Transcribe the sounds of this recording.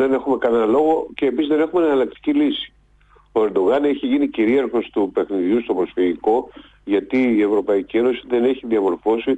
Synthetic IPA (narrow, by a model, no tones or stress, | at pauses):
ðene̞xume̞kɐnenɐlo̞ɣo̞ce̞ːpisizðe̞ne̞xumenɐnɐlɐk̚t̪i̥cilisi̥ | o̞e̞ɾd̪o̞ɣɐne̞çiʝiniciɾiɐɾxo̞st̪upe̞xniðjust̪o̞bɾo̞sfiʝiko̞ | ʝɐt̪iie̞vɾo̞pɐicie̞no̞siðe̞ne̞çiðiɐvo̞ɾfo̞si